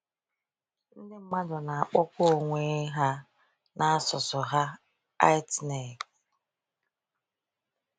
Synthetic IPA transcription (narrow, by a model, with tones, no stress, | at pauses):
n̩˦dɪ˦m̩˦ma˦dʊ˨na˨a˨k͡pɔ˦kʷo˦˨ŋʷe˦ɦa˦ | nʔa˦a˦sʊ˨sʊ˨ɦa˦ | a˦ɪ˦tne˨k